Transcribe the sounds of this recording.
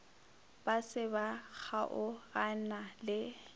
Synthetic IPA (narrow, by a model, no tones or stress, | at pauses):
b̥asɪbak͡xʰaʔʊɣanalɪ